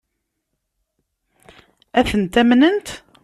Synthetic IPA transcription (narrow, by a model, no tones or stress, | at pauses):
æθənt̪æmnənt̪